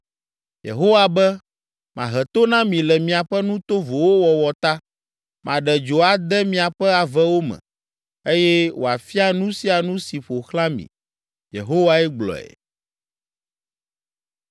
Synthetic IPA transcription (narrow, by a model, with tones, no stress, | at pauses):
jḛ˨ɦo˦wa˨bɛ˦ | mã˨ɦɛ˨t̪o˦nã˦mĩ˨lɛ˨mĩ˨a˨ɸɛ˦nũ˦t̪o˦vo˨wo˦wɔ˨wɔ˨t̪a˦ | mʔã˨ɖɛ˨d͡ʒo˨a˨d̪ɛ˦mĩ˨a˨ɸɛ˦a˨vɛ˦wo˦mɛ̰̃˨ | e˦jɛ˦wʔo̰˨a˨fi˦a˨nũ˦si˦a˨nũ˦si˨ɸo˨xla˦mḭ̃˨ | jḛ˨ɦo˦wa˦ɛ˦ɡ͡blɔ̰˨ɛ̰˨